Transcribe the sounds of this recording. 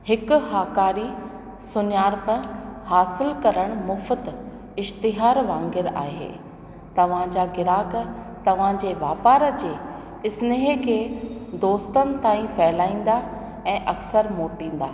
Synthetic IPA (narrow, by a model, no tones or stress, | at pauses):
hɪkʊhaːkaːɾi | sʊnjaːɾpɐɾhaːsɪlkɐɾəɽ̃mʊfət̪ | ɪʃt̪ɪɦaːɾʋãːŋɡɪɾa̰ːɦḛː | t̪ɐʋ̤ãd͡ʑaːɡɪɾaːk̆ | t̪ɐʋ̤ãd͡ʑeːʋaːpaːɾə̆d͡ʑeː | ɪsneɦekʰeːd̪oːst̪ənɪ̆t̪aːĩfɛːlaːĩːn̆d̪a | ɛ̃ːʔɐksəɾmoːʈĩːn̆d̪aː